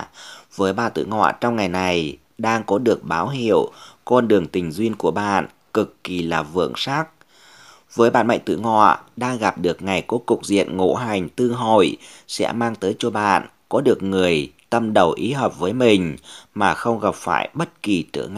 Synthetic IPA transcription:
vəː˨˦jɓaː˧˨nt̪ɨ̰˧˨ŋɔ̰˧˨t͡ɕɔ˧wŋ͡mŋa˨˩jna˨˩j | ɗaː˧ŋkɔ˨˦ɗɨ˨˩ək̚ɓaː˨˦wɦḭ˧˨əwkɔ˧nɗɨ˨˩əŋt̪ï˨˩ŋ̟zwi˧ənku˧˩əɓa̰ː˧˨n | kɨ˨˩kːi˨˩laː˨˩vɨ̰˧˨əŋsaː˦˥k̚ | vəː˨˦jɓa̰ː˧˨nma̰˧˨ŋt̪ɨ̰˧˨ŋɔ̰˧˨ɗaː˧ŋɣa˨˩p̚ɗɨ˨˩ək̚ŋa˨˩jku˨˧˦əkʊ˨˩k͡p̚zḭ˧˨ənŋo̰˧˥ɦa˨˩jŋ̟t̪ɨ˧ɦo̰˧˨jsɛ̰˧˥maː˧ŋt̪əː˨˦jt͡ɕɔ˧ɓa̰ː˧˨nkɔ˨˦ɗɨ˨˩ək̚ŋɨ˨˩əjt̪ə˧mɗə˨˩wʔi˨˦ɦəː˨˩p̚vəː˨˦jmï˨˩ŋ̟maː˨˩xə˧wŋ͡mɣə˨˩p̚faː˧˩jɓə˦˥t̚ki˨˩t͡ɕɨ̰˧˩ŋ˧

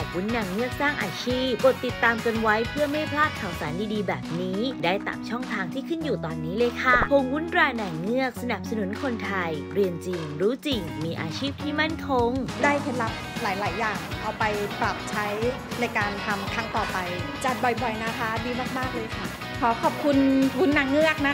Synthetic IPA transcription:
ɔː˨˩p̚wu˦˥nːaː˧˩ŋŋɯ˥˩ək̚saː˥˩ŋʔaː˧t͡ɕʰiː˥˩p̚ko˨˩t̪ːi˨˩t̪ːaː˧mka˧nwa˦˥jpʰɯ˥˩ɐma˥˩jpʰlaː˥˩t̪̚kʰaː˨˩wsa̰ː˩˦ndiː˧diː˧bɛː˨˩p̚niː˦˥daː˥˩jt̪a̰ː˨˩mt͡ɕʰɔ˥˩ŋt̪ʰaː˧ŋt̪ʰiː˥˩kʰɯ˥˩njuː˨˩t̪ɔː˧nːiː˦˥lɤː˧jkʰa˥˩pʰo˧ŋwu˦˥nɾaː˧jnaː˨˩ŋnɯ˥˩ək̚sa˧na˨˩p̚sa˧nu˨˩˦nkʰo˧nt̪ʰa˧jɾi˧ənt͡ɕi˧ŋɾuː˦˥t͡ɕi˧ŋmiː˧ʔa̰ː˧t͡ɕʰiː˥˩p̚t̪ʰiː˥˩ma˥˩nkʰo˧ŋdaː˥˩jpʰe˨˩˦nla˨˦˥p̚laː˩˦jlaː˩˦jːaː˨˩ŋʔa˧wpa˧jpɾa˨˩p̚t͡ɕʰa˦˥j | na˧jkaː˧nt̪ʰa˧mt̪ʰa˦˥ŋt̪ɔː˨˩pa˧jt͡ɕa˨˩t̪̚bɔ˨˩jbɔ˨˩jna˦˥kʰa˦˥diː˧maː˥˩k̚maː˥˩k̚lɤː˧jkʰa˥˩ | kʰɔː˨˩˦kʰɔː˨˩p̚kʰu˧nwu˦˥nːa˨˩ŋːɯ˥˩ək̚na˦˥

